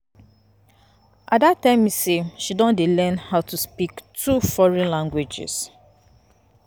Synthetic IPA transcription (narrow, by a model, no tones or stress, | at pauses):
ʔatdatːãɪ̃miseʃidɔ̃ndelɛ̃nhaʊtuspiktʰufɔɹɛ̃nlãŋɡwed͡ʒɪ̰s